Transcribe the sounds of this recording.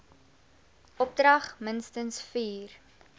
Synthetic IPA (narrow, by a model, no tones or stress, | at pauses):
ʔɔp̚drɐχmənstənsfiːr